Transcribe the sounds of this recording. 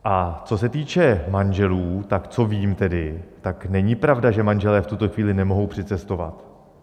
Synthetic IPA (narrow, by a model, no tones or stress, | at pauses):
ʔat͡so̞sɛt̪iːt͡ʃɛmanʒɛluːt̪akt͡so̞viːmt̪ɛdɪt̪aknɛɲɪpɾavdaʒɛmanʒɛlɛːft̪ut̪o̞xviːlɪnɛmo̞ɦo̞wpr̝̥ɪt͡sɛst̪o̞va̰t̪